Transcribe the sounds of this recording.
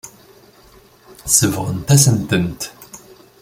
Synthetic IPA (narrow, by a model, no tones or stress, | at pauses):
θsəvʁə̰nt̪æsənt̪ənt̪